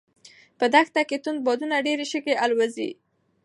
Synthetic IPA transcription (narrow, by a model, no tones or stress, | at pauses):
pəd̪axt̪aket̪und̪̚bɔd̪unaɖeɾeʃəkeʔalwazḭ